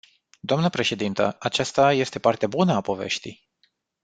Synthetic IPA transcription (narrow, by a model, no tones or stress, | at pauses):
d̪oamnəpɾe̞ʃe̞d̪int̪əat͡ʃast̪aje̞st̪e̞part̪eabunəapo̞ve̞̰ʃt̪ij